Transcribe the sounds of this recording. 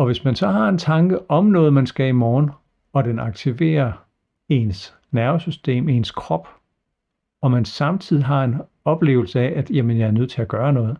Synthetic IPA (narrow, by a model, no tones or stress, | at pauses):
ɒ̽ʋe̝smænsɒ̽ɦɑ̈e̝nt͡sʰɑ̈ŋɡ̥əʔɒ̽mnɔ̽ːð̞̩ˠmænsɡ̥æimɒːn | ɒ̽d̥enɑ̈ɡ̥̚t͡sʰiʋe̝̰ːɐ | e̝ns | næɐsysd̥e̝̰ːme̝nskʰʁɒ̽b̥ | ɒ̽mænsɑ̈mt͡sʰið̞̰ˠiɦɑ̈e̝n | ɒ̽b̥le̝̰ːʊl̩səæʔæd̥jæmənjɑ̈æɐnøð̞̰ˠt͡sʰe̝æɡ̥ɶːɐnɔ̽ːð̞̩ˠ